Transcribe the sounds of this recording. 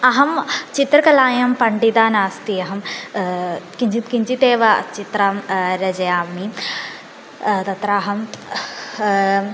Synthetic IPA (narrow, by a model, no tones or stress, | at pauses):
ɐɦɐmt͡ʃit̪ɾɐkɐlaːjɐmpɐɳɖid̪aːnaːst̪ijɐɦɐm | kiɲikiɲt͡ʃit̪eːʋɐt͡ʃit̪ɾaːmɾɐd͡ʒɐjaːmi | t̪ɐt̪ɾaːɦɐm